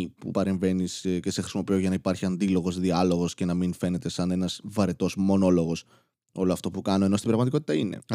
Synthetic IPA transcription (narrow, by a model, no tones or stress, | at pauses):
pṵpɐɾe̞ɱve̞nisce̞se̞xɾisimo̞pioʝɐnɐipɐɾçiɐnd̪ilo̞ɣo̞zðiɐlo̞ɣo̞sce̞nɐminfe̞ne̞t̪e̞sɐne̞nɐz̥vɐɾet̪o̞zmo̞no̞lo̞ɣo̞s | o̞loɐft̪o̞pukɐno̞e̞no̞st̪ibɾɐɣmɐt̪iko̞t̪i̥t̪ɐine̞̰